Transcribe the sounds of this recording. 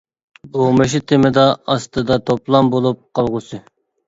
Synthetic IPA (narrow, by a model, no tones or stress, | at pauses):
bomɨʃ̬it̪ʰɪmɪd̪ɑɑst̪ɨd̪ɑt̪ʰoplˠɑmbolˠup̚qʰɑlˠʁʊsɨ